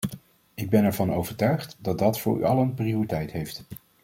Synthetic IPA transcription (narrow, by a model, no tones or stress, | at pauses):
ɪɡ̚bɛnɛɹvɑnowvəɹtœɥχtdɑd̚ɑtfʊ̰ːɹy̰ɑlənpriʊritɛjtɦejft